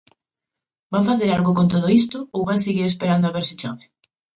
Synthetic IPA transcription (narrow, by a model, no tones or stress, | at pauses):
baɱfaθeɾalɣokont̪oð̞oist̪ʊowβanseɣiɾes̬peɾand̪oaβeɾsɪ̥t͡ʃɔβe